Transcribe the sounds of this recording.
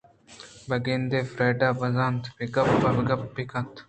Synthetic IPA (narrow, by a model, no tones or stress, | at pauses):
bɐɡend̪eːfɾeːɖaːbɐzaːnt̪ʰbiɡɐpbɐbɡɐpːikɐnt̪